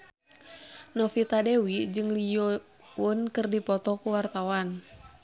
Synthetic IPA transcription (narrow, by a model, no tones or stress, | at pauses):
nɔfit̪adɛwid͡ʒɨŋlijɔ | unkɨrdipɔt̪ɔkuwart̪awan